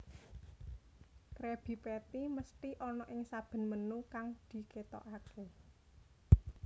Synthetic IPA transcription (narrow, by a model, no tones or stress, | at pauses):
t̪ɾeb̥i̤pɛt̪iməst̪iʔɔnɔʔɪŋsab̥ə̤nmənukaŋd̪̥i̤ket̪ɔ̰ʔake